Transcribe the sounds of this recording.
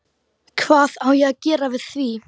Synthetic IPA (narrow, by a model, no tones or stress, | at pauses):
kʰv̥aːðawjaɡ̥ɪːɾavɪð̥θviː